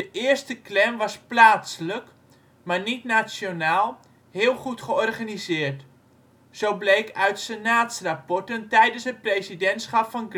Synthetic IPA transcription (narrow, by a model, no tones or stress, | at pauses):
dəʔɪərstəklɛmʋɔsplaːslək | marnitnat͡sjonaːlˠ | hɪəlˠχutχəɔrχanizɪːrt | sowblejkœɥtsenaːtsrapɔrtəntɛjdənsət̚prejsidɛntsχapfɔnɡ